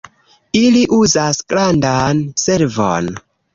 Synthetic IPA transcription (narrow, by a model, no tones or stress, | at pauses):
iliʔuzasɡ̥ɾandanse̞ɾvo̰n